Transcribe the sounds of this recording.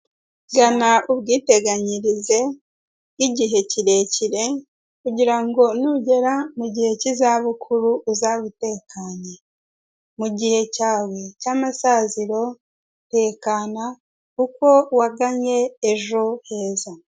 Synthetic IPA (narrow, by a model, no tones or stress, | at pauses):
ɡanauβɡiːte̞ɡaɲiɾize̞ | iɟiɦe̞ciɾe̞ciɾe̞ | kuɟiɾaŋɡo̞nuɟe̞ɾamuɟihe̞cizaβukʰuɾuʔːzaβute̞ːkaɲe | muɟihe̞caːwe̞caːmasaːziɾo̞ | te̞ːkaːna | kuko̞waɡaɲe̞ːʒo̞he̞ːza